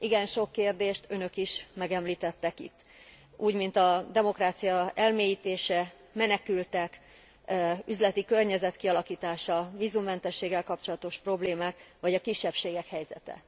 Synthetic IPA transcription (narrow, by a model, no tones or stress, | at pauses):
ʔiɡɛnʃo̞kːeːrd̪eːʃt̪ø̞nø̞kiʃmɛɡɛmliːt̪ɛt̪ːɛkḭt̪ː | ʔuːɟmint̪ɒd̪ɛmo̞kraːt̪sijɒɛlmeːjiːt̪eːʃɛ | mɛnɛkylt̪ɛk | yzlɛt̪ikø̞rɲɛzɛt̪kiɒlɒkiːt̪aːʃɒviːzumːɛnt̪ɛʃːeːɡːɛlkɒp̚t͡ʃo̞lɒt̪o̞ʃpro̞bleːmaːkʋɒɟɒkiʃːɛpʃeːɡɛkhɛjzɛ̰t̪ɛ̰